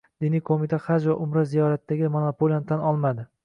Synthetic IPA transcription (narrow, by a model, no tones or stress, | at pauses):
d̪̥ɪnijkʰomit̪ʰaχad͡ʒvaʔʊmɾazijɒɾat̪ːaɡʲɪmonopʰolʲiont̪ʰanɒlˠmad̪ɪ